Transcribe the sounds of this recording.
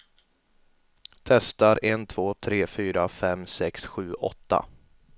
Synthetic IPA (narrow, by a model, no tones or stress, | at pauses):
t̪ʰɛst̪aɾɛnt̪ʰv̥oːt̪ʰɾeːfyːɾafɛmsɛksɧʉ̟ːʔɔ̰t̪ːa̰